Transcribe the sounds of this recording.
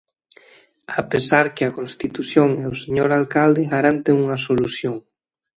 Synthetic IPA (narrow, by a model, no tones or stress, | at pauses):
apesaɾkɪakonst̪it̪uθjoŋeoseɲoɾalkald̪ɪɣaɾant̪eŋuŋɐsoluθjoŋ